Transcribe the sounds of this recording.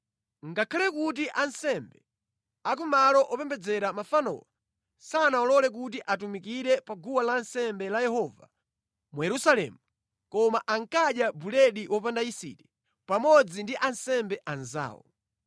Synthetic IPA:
ŋɡakʰalɛkut̬iʔansɛmbɛ | ak̬umalɔʔɔpɛmbɛd͡zɛɾamafanɔ̰wa | sanaɔlɔlɛk̬ut̬iʔatumikiɾɛpaɡuwalansɛmbɛlajɛhɔva | mujɛɾusalɛ̰mu | kɔmaʔaŋkaɗjabulɛɗiwʔɔpandaisḭtɛ | pamɔd͡zindiʔansɛmbɛʔanza̰ːwɔ̰

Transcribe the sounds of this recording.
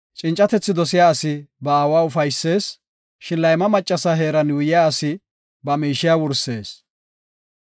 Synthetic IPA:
t͡ʃʼɪnt͡ʃʼːɐt̪ɛt͡sːɪd̪ɔsɪjaːɐsɪbɐaːwaːʊfɐjsːe̞ːs | ʃɪnlɐjmɐmɐt͡ʃʼːɐsɐɦe̞ːɾɐnjʊjɪjaːɐsɪ | bɐmiːʃɪjaːwʊɾsːe̞ːs

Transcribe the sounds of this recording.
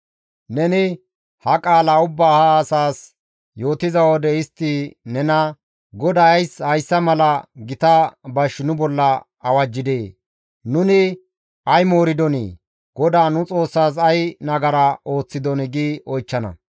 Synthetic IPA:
nɛnɪ | hɐkʼaːlɐʊbːaːhaːsaːs | jo̞ːt̪ɪzɐwɔd̪ɛɪst̪ːɪnɛnɐ | ɡɔd̪aɐjshɐjsːɐmɐlɐɡɪt̪ɐbɐʃnʊbɔlːɐ | ɐwɐd͡ʒːɪd̪eː | nʊnɪ | ɐjmoːɾɪd̪ɔnḭː | ɡ̥ɔd̪aːnʊt͡sʼo̞ːsːaːs̬ɐjnɐɡɐɾao̞ːt͡sːɪd̪ɔnɪɡiːɔjt͡ʃːɐnɐ̰

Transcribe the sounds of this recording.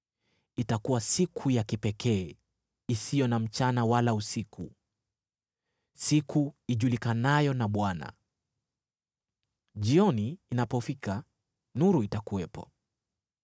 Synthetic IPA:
itakuwasikʰujakipɛkɛː | isijɔnam̩t͡ʃanawalausikʰu | sikʰuiʄulikanajɔnaɓwana̰ | ʄiɔniːnapɔfika | nuɾuitakuwɛpɔ̰

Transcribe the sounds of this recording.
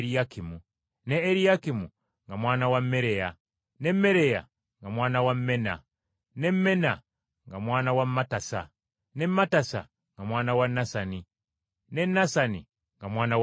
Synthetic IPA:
ɾijakimu | neːɾijakimu | ŋɡamwaːnawamːeɾeja | nemːeɾeja̰ | ŋɡamwaːnawamːena̰ | nemmena | ŋɡamwaːnawammatasa | nemmːatasa̰ | ŋɡamwaːnawanasani | nenasani | ŋɡamwaːnaw

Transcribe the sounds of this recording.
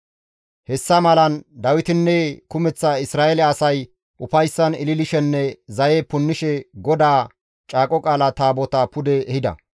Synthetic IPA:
hɛsːɐmɐlɐnd̪ɐwɪt̪ɪnːɛkʊmɛt͡sːɐɪsɾaːɛlɛɐsɐj | ʔʊfɐjsːɐnɪlɪlɪʃɛnːɛzɐjepʊnːɪʃɛɡɔd̪aː | t͡ʃʼaːkʼɔkʼaːlɐt̪aːbɔt̪apʊd̪ɛːhɪd̪ɐ̰

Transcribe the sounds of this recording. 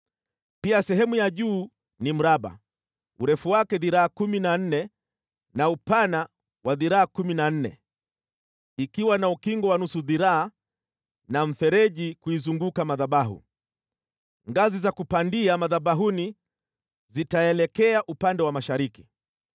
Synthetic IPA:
piasɛɦɛmujaʄuː | nim̩ɾaɓa̰ | uɾɛfuwakɛðiɾaakuminan̩nɛ | naupana | waðiɾaakuminan̩nɛ̰ | ikiwanaukiŋɡɔwanusuðiɾaa | naɱ̩fɛɾɛʄikuizuŋɡukamaðaɓaɦṵ | ŋɡazizakupandiamaðaɓaɦuni | zitaɛlɛkɛaʔupandɛwamaʃaɾiki

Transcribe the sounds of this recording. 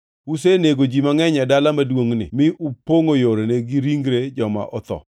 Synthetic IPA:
us̬eneɡod͡ʒimaŋɛɲadalamadwoŋnɪ̰mɪʔupoŋojoɾeneɡiɾiŋɡɾed͡ʒɔma̰ʔɔt̪ɔ̰

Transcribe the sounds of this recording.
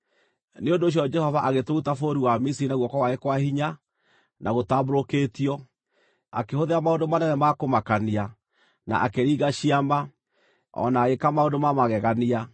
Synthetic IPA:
neondoːɕ̬jɔd͡ʒɛhɔvaʔaɣetoutafoɾiwamis̬iɾinaɣwɔkwawaekwahiɲa | nʔaɣotaboɾokeːtiɔ | a̰kehoðeamaondomanɛnɛmakomakania | na̰ʔa̰keɾiɣaɕiama | ɔ̰naɣekamaondomamaɣɛɣania

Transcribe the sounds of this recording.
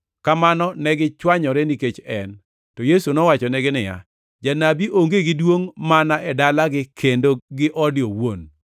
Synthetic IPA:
kamanɔnɛɡɪt͡ʃwaɲɔɾɛniket͡ʃɛn | tɔjesunɔwat͡ʃɔnɛɡɪnɪja̰ | d͡ʒanabiʔoŋɡeɡɪdwoŋmanaʔɛdalaɡɪkʰendoɡɪʔɔdjɔwon

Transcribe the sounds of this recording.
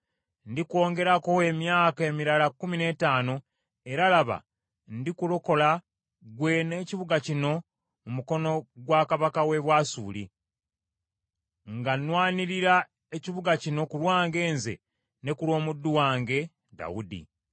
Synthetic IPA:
ndikwo̞ːŋɡe̞ɾakoemjaːke̞ːmiɾalakːumine̞ːtaːno̞ | e̞ɾalaβa̰ | ndikuloko̞la | ɡwe̞neːciβuɡacino̞ | umuko̞no̞ɡwaːkaβakawe̞βwaːsuːlḭ | ŋɡanwaːniɾiɾa | eciβuɡacino̞kulwaːŋɡe̞ːnzḛ | ne̞kulwo̞ːmudːuwaːŋɡe̞ | da̰wudḭ

